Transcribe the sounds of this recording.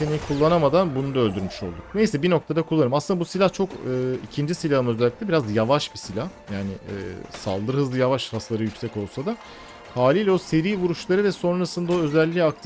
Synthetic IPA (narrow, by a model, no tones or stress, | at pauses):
senikʰulˠːanamad̪anbunud̪aølʲd̪yɾmyʃo̞lˠd̪ukne̞jsɛbino̞k̚t̪ʰad̪akʰulˠːanɯmasɯnd̪abusilʲaht͡ʃʰo̞kɯːicʰind͡ʒisilʲahɯmøzɛlʲːic̚lʲɛbiɾazjavaʃbisilʲahjaːnɪ̰ːsa̰lˠd̪ɯɾhɯzlˠɯjavaʃɾaslˠaɾɯjycʲsɛco̞lˠsad̪a | haːlʲilʲɛo̞se̞ɾiːvuɾuʃlˠaɾɯvɛso̞nɾasɯnd̪ao̞ø̞zɛlʲːiak̚t̪ʰi